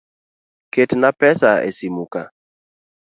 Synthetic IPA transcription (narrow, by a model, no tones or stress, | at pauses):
ketnapɛsaḛsimuka